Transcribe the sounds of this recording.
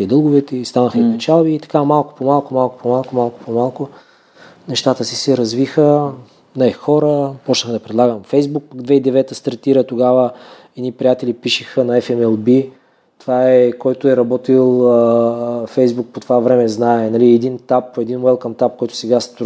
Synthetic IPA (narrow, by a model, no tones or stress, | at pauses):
id̪ɤlˠɡʊvɛt̪ɛist̪anəxəipɛt͡ʃalˠbiːt̪ɐ̥kamalˠkʊ̥pomalˠkomalˠkʊ̥pomalˠkomalˠkʊ̥pomalˠkʊ | nɛʃt̪at̪əsisɛɾɐzvixə | nɛxɔɾəpɔt͡ʃnəxəd̪ɐpɾɛd̪lˠaɡəmfɛjzbuk̚pɐɡd̪vɛid̪ɛvɛt̪əst̪ɐɾt̪iɾət̪oɡavə | ɛd̪nipɾʲijat̪ɛlipiʃixənɐɛfɛmɛlˠbi | t̪ovaɛkɔjt̪ʊɛɾɐbɔt̪ilˠ | fɛjzbuk̚pot̪ovavɾɛmɛznaɛnɐliɛd̪int̪apːoɛd̪inɛlˠkɐmt̪ap̚kɔjt̪ʊ̥sɛɡast̪